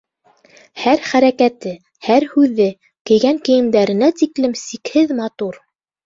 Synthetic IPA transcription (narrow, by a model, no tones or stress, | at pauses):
hæɾχæɾækæt̪ɘ | hæɾhʉðːɘ | kɘ̆jɡæŋkɘ̆jɘ̆md̪æɾɘ̆næt̪iklɘmsikhɘðmɑt̪uɾ